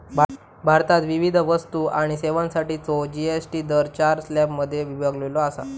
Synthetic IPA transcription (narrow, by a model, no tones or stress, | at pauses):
bʱa | bʱaɾt̪at̪ʋiʋid̪ʱʋəst̪uːʔaɽ̃iseʋãnsaʈiːt͡sod͡ʑiesʈiːd̪əɾt͡ɕaɾslɛbməd̪ʱːjeʋibʱaɡleloasa̰